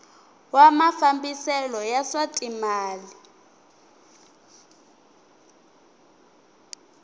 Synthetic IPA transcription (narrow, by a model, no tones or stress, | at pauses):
wamafambisɛlɔjasatʼimaːli